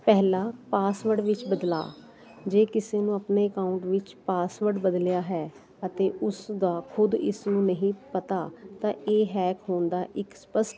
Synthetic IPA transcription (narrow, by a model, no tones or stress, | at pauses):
pɛɦlaːpaːsʋəɾɖʋɪt͡ʃbəd̪la̰ː | d͡ʒeːkɪseːnũːəpneːəkaːʊ̃ɳʈʋɪt͡ʃpaːsʋəɾɖbəd̪ljaːɦɛː | ət̪eːʔʊsd̪aːkʰʊd̪ɪ̰snũːnəɦĩːpət̪aːt̪ãːʔeːɦɛːkɦoːnd̪aːʔɪkspəsʈ